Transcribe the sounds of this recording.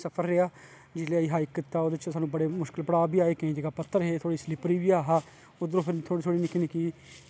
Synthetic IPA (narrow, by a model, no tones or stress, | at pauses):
səpʰəɾːeaː | d͡ʒɪleaiːɦaːikːɪt̪ːaːoːd̪et͡ʃsaːnũːbəɽeːmʊʃkɪlpəɽaːbiːaːeːkẽːd͡ʒeːɡaːpət̪ʰːəɾɦeːt̪ʰoːɽiːslɪpɾiːʋiːaːɦaː | ʊd̪ɾoːpʰɪɾt̪ʰoːɽiːt̪ʰoːɽiːnɪkinikiː